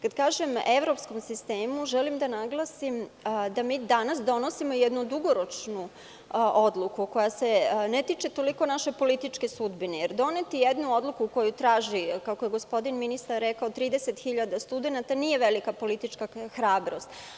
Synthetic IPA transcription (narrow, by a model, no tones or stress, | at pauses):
kad̪kaːʒemeʋɾo̞psko̞msist̪eːmuʒelimd̪anaɡlˠasimd̪amiːd̪anasd̪o̞no̞simojed̪nud̪uɡo̞ɾo̞t͡ʂnu | ʔod̪lˠukuko̞jasenet̪iːt͡ʃet̪o̞liko̞naʃepo̞lit̪it͡ʃke̞sud̪binejeɾd̪o̞net̪ijed̪nuo̞d̪lukuko̞jut̪ɾaːʒikakoje̞ɡospo̞d̪inminist̪aɾːekaot̪ɾiːd̪eset̪xiʎad̪ast̪ud̪e̞nat̪aniːje̞ʋelikapo̞lit̪it͡ʃkaxɾaːbɾo̞st̪